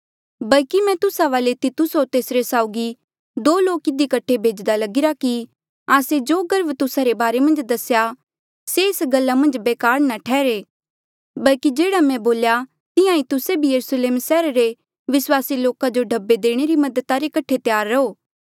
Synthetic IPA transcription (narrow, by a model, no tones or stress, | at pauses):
bɐlkimɛ̃t̪ʊsaʋaːlet̪it̪ʊsot̪eːsɾesaːʊɡi | d̪oːloːkɪd̪ikɐʈʰːebʱeːd͡ʒd̪alɐɡɪɾaki | aːsed͡ʒoːɡɐɾbt̪ʊsaɾebaːɾemɐ̃nd͡ʒd̪ɐsja | seːsɡɐlːamɐ̃nd͡ʒbeːkaːɾnaʈʰɛːɾeː | bɐlkid͡ʒeːɽamɛ̃boːlja | t̪ɪjãit̪ʊsebʱijɐɾusleːmsɛːɾɾe | ʋɪswaːsiloːkad͡ʒoɖʱɐbːed̪eːɽ̃eɾimɐd̪ət̪aɾekɐʈʰet̪jaːɾːɐoː